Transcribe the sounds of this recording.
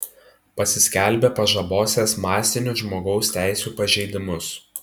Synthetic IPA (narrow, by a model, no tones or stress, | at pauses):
pɐsʲɪsʲkʲɛˑlʲˑbʲɛpɐʒɐboːsʲeːsmɑːsʲt̪ʲɪnʲʊʒmoːɡɒʊsʲt̪ʲæˑɪsʲuːpɐʒʲɛɪd̪ʲɪmʊs